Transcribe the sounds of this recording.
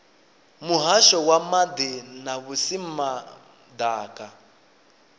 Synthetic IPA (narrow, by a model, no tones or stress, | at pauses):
muɦaʃɔwamad̪ɛnaβusima | d̪aːkʼa